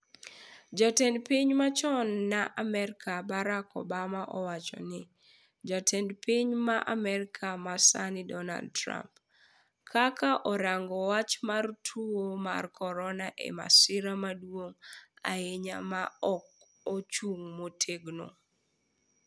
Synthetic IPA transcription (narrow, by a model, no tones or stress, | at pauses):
d͡ʒɔtɛndpiɲmat͡ʃɔnːaʔamɛɾkʰabaɾakɔ̰bamaʔɔwat͡ʃɔ̰nɪ | d͡ʒatʰɛndpʰiɲmaʔamɛɾɪkʰamasanɪdɔna̰ldtɾa̰mp | kʰakaʔɔɾaŋɡɔwat͡ʃmartʰuwoma̰rkʰɔɾɔnaʔḛma̰sɪɾamadwoŋa̰eɲamaɔk̚ | ot͡ʃuŋmotʰeɡno̰